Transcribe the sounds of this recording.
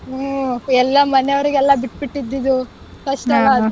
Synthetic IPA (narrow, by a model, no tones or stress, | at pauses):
ɛlːɐmɐneɐʋɐɾiɡeɛlːɐbiʈbiʈːid̪ːid̪u | kɐʂʈɐʋad̪